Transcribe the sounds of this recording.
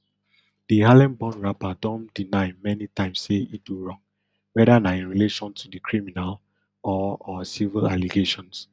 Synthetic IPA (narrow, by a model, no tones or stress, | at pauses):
d̥iɦalɛ̃nbɔ̃nɹapadɔ̃ndinaɪmɛnitãɪ̃msːeiduɹɔ̃ŋ | wɛdanaĩnɹileʃɔ̃ntʰudikʰɹiminal | ɔɔsivilaliɡeʃɔ̃ns